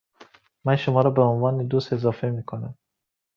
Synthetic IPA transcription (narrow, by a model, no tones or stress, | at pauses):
manʃʊmɒːɾɔbæunvɒːned̪ust̪ezɒːfemikʰonam